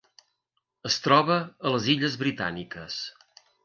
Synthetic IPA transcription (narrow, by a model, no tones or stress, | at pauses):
əst̪ɾɔβəːləziʎəzβɾit̪a̰nikəs